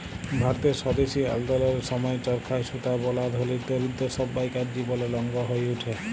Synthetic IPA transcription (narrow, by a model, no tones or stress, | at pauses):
bʱaɾɔt̪esɔd̪esia̰ld̪ɔlɔɾesɔmɔjtɔɾkʰajsut̪abɔlad̪ʱɦolid̪oɾid̪ːɔsɔbːajkaɾd͡ʒibɔlelɔŋɡɔɦojuʈʰe